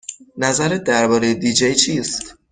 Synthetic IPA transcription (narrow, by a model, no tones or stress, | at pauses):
næzæɾed̪æɾbɒːɾe̞jed̪id͡ʒejt͡ʃʰiːst̪